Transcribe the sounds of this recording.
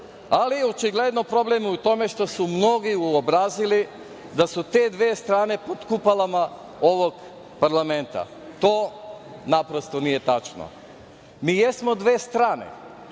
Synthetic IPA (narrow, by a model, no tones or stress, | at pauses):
aliot͡ʃiɡle̞d̪no̞pɾo̞blemut̪o̞me̞ʃt̪o̞sumno̞ɡiuobɾazili | d̪asut̪e̞ːd̪ʋe̞ːst̪ɾaːne̞pot̪kupalˠama | o̞ʋo̞ɡ | paɾlame̞nt̪a̰ | t̪o̞ːnapɾo̞st̪o̞nije̞t̪at͡ʃno̰ | miːjesmo̞d̪ʋe̞ːst̪ɾaːnḛ